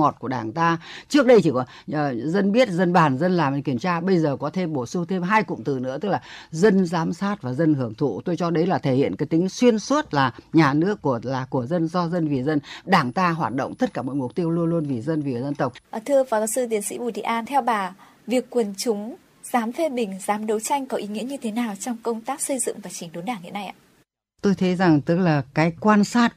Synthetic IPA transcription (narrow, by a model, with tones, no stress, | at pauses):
o˨˩t̚ku˧˩ə˨ɗaː˧˩ŋt̪aː˧t͡ɕɨ˦˥k̚ɗə˧jt͡ɕ̪ʰi˨˩ɔ˨˦˨ | zə˧nɓi˦˥ət̚zə˧nɓaː˨˩nzə˧nlaː˨˩mʔə˨˩ŋki˧˩əmt͡ɕaː˧ɓə˧jzəː˨˩kɔ˨˦t̪ʰe˧mɓo˧˩su˧t̪ʰe˧mɦaː˧jkʊ̰˧˨wŋ͡mt̪ɨ˨˩nɨ̰˧˥ət̪ɨ˦˥k̚laː˨˩zə˧nzaː˨˦msaː˦˥t̚vaː˨˩zə˧nhɨ˧˩əŋt̪ʰṵ˧˨t̪o˧jt͡ɕɔ˧ɗə˨˦jlaː˨˩t̪ʰe˧˩hḭ˧˨ənkaː˨˦jt̪ï˨˦ŋ̟swi˧ənswə˦˥t̚laː˨˩ɲaː˨˩nɨ˦˥əkːu˧˩əlaː˨˩ku˧˩əzə˧nzɔ˧zə˧nvi˨˩zə˧nɗaː˧˩ŋt̪aː˧ɦwaː˨˩t̚ɗo̰˧˨wŋ͡mt̪ə˦˥t̚kaː˧˩mɔ̰˨˩jmʊ˨˩k͡p̚t̪i˧əwlu˧ənlu˧ənvi˨˩zə˧nvi˨˩zə˧nt̪ə˨˩wk͡p̚ʔt̪ʰɨ˧əvaː˨˩ka˨˧˩sɨ˧t̪i˨˦ənsḭ˧˥ɓu˧˩t̪ḭ˧˨ʔaː˧nt̪ʰɛ˧wɓaː˨˩ | vi˨˩əkːwə˨˩nt͡ɕʊ˨˦ŋ͡m | z̥aː˨˦mfe˧ɓï˨˩ŋ̟zaː˨˦mɗə˨˦wt͡ɕa˧jŋ̟kɔ˨˦ʔi˨˦ŋḭ˧˥əɲɨ˧t̪ʰe˨˦naː˨˩wt͡ɕɔ˧wŋ͡mkə˧wŋ͡mt̪aː˦˥k̚sə˧jzɨ̰˧˨ŋ͡mvaː˨˩t͡ɕï˨˦ŋ̟ɗo˨˦nɗaː˧˩ŋɦḭ˧˥əna˧jʔa̰ː˧ | t̪o˧jt̪ʰə˨˦jza˨˩ŋt̪ɨ˦˥k̚laː˨˩kaː˨˦jkwaː˧nsaː˦˥t̚